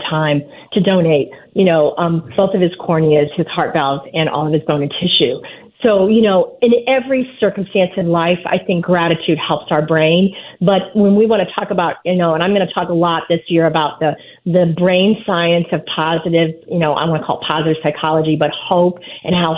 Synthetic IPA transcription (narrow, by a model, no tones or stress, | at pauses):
tʰãɪ̃m | tʰɨdõʊ̃neɪt̚jɨnoʊʔʌ̃mb̥oʊθʌv̥ɨz̥kʰɔɹniɨz̥ɨz̥hɑɹt̚v̥ɛlˠzɨ̃nʔɔ̰lˠʌv̥ɨzbõʊ̃ñɨ̃ntʰɪʃʉ | soʊjɨnoʊɨ̃nɛvɹisɜ˞km̩stæ̃nsɨvlaɪfa̰ɪθɪ̃ŋk̚ɡ̥ɹæɾɨtʰʉd̚hɛlˠpsaʊə˞bɹẽɪ̃nbʌt̚wə̃nwiwɑ̃ɾ̃ɨtʰɔkəbaʊt̚jɨnoʊə̃ɾ̃ãɪ̃mɡʌnɨtʰɔkəlɔt̪̚ðɪsjɪɹɨbaʊt̪̚ðɨ | ðɨbɹẽɪ̃nsaɪɨ̃nsʌv̥pʰɑzɨɾɪvjɨnoʊʔã̰ɪmɡʌnəkʰɔ̰lˠd̚pʰɑzɨɾɨv̥saɪkʰɑlˠəd͡ʒibʌt̚hoʊpʔɨ̃nɦaʊ